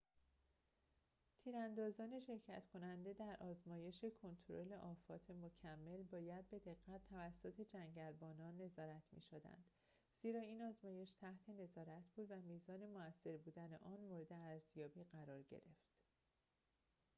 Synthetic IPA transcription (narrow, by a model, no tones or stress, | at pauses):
t̪ʰiːɾænd̪ɒːzɒːne̞ʃe̞ɾcʰæ̰t̪kʰo̞nænd̪e̞d̪æɾʔɒːzmɒːje̞ʃekʰo̞nt̪ʰoɾo̰le̞ʔɒːfɒ̰ːt̪ʰe̞mocʰæmːe̞lbɒːjæd̪̚be̞d̪e̞ɣːæt̪ʰːævæsːot̪ʰe̞d͡ʒæŋɟælbɒːnɒːnːe̞zɒːɾæt̪ʰmḭʃod̪æ̰nd̪̥ | z̥iːɾɒːiːnɒːzmɒːje̞ʃt̪ʰæht̪ʰe̞ne̞zɒːɾæt̪ʰb̥uːd̪væmiːzɒːne̞moæsːe̞ɾbuːd̪æne̞̰ʔɒːnmoɾe̞d̪e̞æɾzjɒːbiːɢæɾɒːɾɟḛɾe̞ft̪